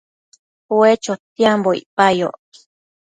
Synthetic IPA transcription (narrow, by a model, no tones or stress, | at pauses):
wet͡ʃot̪jamboḭpajo̰ʔki̥